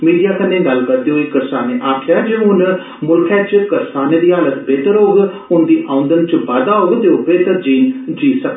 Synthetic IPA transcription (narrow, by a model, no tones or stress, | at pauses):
miːɖijaːkənːẽːɡəlkəɾd̪eːoːiːkəɾsaːneʔaːkʰjaːd͡ʒẽːɦʊn | mʊlkʰɛːt͡ʃkəɾsaːned̪iːɦaːlət̪beːt̪əɾɦoːɡ | ʊnd̪iːʔaʊ̃nd̪ənt͡ʃʋaːd̪aːɦoːɡt̪eːopʰeːt̪əɾd͡ʒiːnd͡ʒiːsək